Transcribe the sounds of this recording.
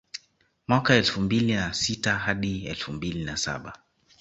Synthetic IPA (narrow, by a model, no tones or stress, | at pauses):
mwakaɛlfumbilinasitahaɗiɛlfumbilinasa̰ɓa̰